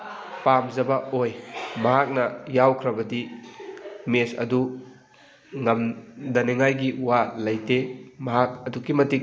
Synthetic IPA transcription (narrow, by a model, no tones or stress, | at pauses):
pamzɐbɐojmɐɦak̚nɐjawkʰɾɐbɐdi | mesɐ̰du | ŋɐmdɐneŋajɡiwalɐjtemɐɦak̚ɐdukimɐtik̚